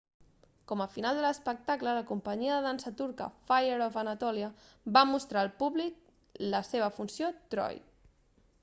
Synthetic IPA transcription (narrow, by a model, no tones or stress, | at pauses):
kɔməfinalˠd̪ələspək̚t̪aklələkumpəɲiəðəðansət̪uɾkə̰fajeɾofənət̪ɔliə | bamust̪ɾaːlˠpuβlik̚ | ləseβ̞əfunsjot̪ɾɔ̰j